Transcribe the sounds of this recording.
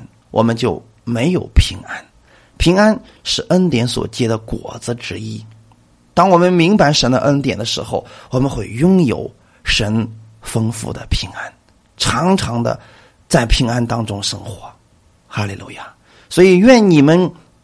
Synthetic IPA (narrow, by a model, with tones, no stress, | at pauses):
n | wʔɔ̰˨˩mə˦nt͡ɕjo˥˩ʊ | me˧˥ɪjo˨˩ʊpʰi˧˥ŋa˥n | pʰi˧˥ŋa˥n | ʂɻ̩˥˩ʔə˥nt̪jɛ˧˥nswɔ̰˨˩t͡ɕjɛ˥d̪ə˨kwɔ̰˨˩d͡zɹ̩˦ʈ͡ʂɻ̩˧˥i˥ | t̪ɑ˥ŋwɔ˨˩mə˦nmi˧˥ŋpa˧˥ɪʂə˧˥nd̪ə̰˧ʔə˥nt̪jɛ̰˨˩nd̪ə˦ʂɻ̩˧˥xo˧ʊwɔ˨˩mə˧˦nxwe˥˩ɪjʊ˥ŋjo̰˨˩ʊ | ʂə˧˥n | fɤ˥ŋfṵ˥d̪ə̰˨pʰi˧˥ŋa˥n | ʈ͡ʂʰɑ˧˥ŋʈ͡ʂʰɑ˧˥ŋd̪ə̰˧ | t͡sa˥˩ɪpʰi˧˥ŋa˥nt̪ɑ˥ŋʈ͡ʂʊ˥ŋʂɤ˥ŋxwɔ˧˥ | xa˥lḭ˨˩lʔṵ˥˩ja˥˩ | swɔ˧˥i˨˩ɥɛ˥˩nni˨˩mə˦n